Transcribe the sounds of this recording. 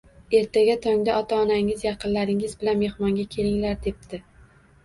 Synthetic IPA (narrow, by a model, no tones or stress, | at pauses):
e̞ɾt̪ʰaɡʲat̪ʰɒŋd̪aʔɒt̪ʰaɒnaŋɪzjɑqɨnlaɾɪŋɪzbɪlanme̞hmɒŋɡʲakʲʰe̞lɪŋlaɾd̪e̞p̚t̪ɪ